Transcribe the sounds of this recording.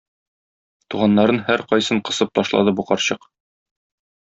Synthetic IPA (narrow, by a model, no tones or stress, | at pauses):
t̪uʁɑnːɑɾɤnhæɾqɒjsɤɴqɤ̆sɤp̚t̪ɒʃlˠɑ̰d̪ɤbuqɒɾɕɤq